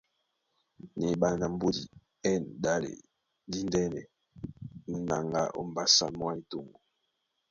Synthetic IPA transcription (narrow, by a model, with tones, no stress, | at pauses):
ne˨ɓa˨na˨m̩˦bo˦dḭ˨ | ɛ˦˨nɗa˦lḛ˨ | di˦n˦dɛ˦nɛ̰˨ | n̩˦na˨ŋɡa̰˦ʔo̰˦m˨ba˨sa̰˦mwa˦ni˦to˨ŋɡo˨